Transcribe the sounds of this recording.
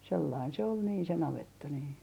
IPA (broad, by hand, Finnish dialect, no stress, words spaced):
selːɑin se ol niːn se nɑʋetːɑ niː